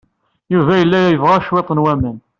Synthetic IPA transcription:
juvæjəlːæjæjəvʁɑʃwet̪ˤːənwæmən

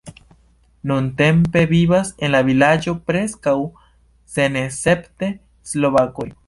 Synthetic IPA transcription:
nunte̞mpe̞viβase̞nlavilad͡ʒo̞pɾe̞skaw | senese̞pte̞ | slo̞βako̞j

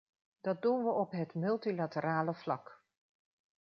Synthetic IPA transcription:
d̥ɑt̚dunʋəʔɔpɦətmɵlˠtilatəɾaːləv̥lɑk

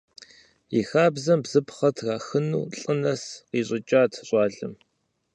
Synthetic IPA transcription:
ixaːbzɐmbzɨpχɐtʰraːxɨnṵːɬʼɨnɐsqiːɕʼɪt͡ʃʼaːtʰɕʼɑːɮɨ̰m

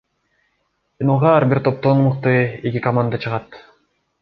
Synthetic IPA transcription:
inoʁɑːɾbiɾt̪ʰo̞p̚t̪onmuq̚t̪ɯekʲikɐmand̪at͡ʃʰɯʁɑt̪

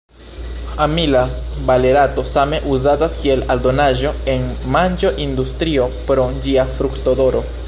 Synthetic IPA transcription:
amilabale̞ɾato̞same̞ʔuzataskie̞laldo̞naʒo̞e̞nmand͡ʒo̞ʔindustɾio̞pɾo̞d͡ʒiafɾukto̞do̞ɾo̞

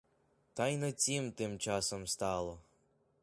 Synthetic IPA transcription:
t̪ɑjnɔt͡sʲimt̪ɪmt͡ʃɑsɔmst̪ɑlˠɔ

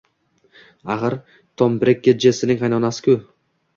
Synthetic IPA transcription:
aʁɨɾ | t̪ʰombɾek̚ʲːed͡ʒesɪnɪŋɑjnɒnasɪ̥kʰʊ

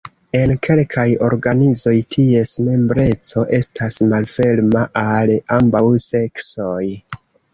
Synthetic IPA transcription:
e̞nkʰe̞lkʰajo̞̰ɾɡanizo̞jtʰie̞sme̞mbɾe̞t͡so̞ʔe̞stasmalfe̞lmaʔalambawse̞ksoj

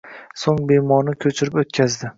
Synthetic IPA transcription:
soŋbemɒnɪkʲʰɵt͡ʃʰɪɾɪpot̪kʲʰazd̪ɪ

